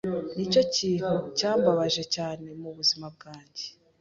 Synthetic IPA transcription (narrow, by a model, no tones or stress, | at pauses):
nico̞ciːn̥hucaːmbaβaʒe̞caːne̞muβuzimab̚ɡaːɲɟe̥